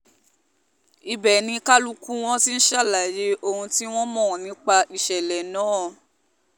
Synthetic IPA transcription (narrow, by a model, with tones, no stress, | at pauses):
i˧bɛ˨nĩ˧ka˦lu˦kũ˦w̃ɔ̃˦ti˦n̩˦ʃa˦˨la˨je˧˦o˦hũ˧ti˦w̃ɔ̃˦mɔ̃˦˨nĩ˨˦k͡pa˧i˨ʃɛ˨lɛ˨nãː˨˦˨